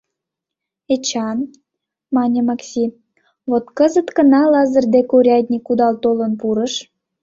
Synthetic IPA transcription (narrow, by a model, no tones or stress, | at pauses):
et͡ɕɑn | mɑnʲəmɑksʲi | βot̪kəzət̪kənɑlɑzərd̪ekuɾʲɑt̪ʲnʲikud̪ɑlt̪olənpuɾəʃ